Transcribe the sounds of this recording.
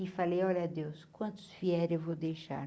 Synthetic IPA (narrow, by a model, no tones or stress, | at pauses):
ɪfalejɔlɐd̪ewskwɐ̃nt̪ʊ̥sfiɛɾewvowd̪ejʃa̰ɾ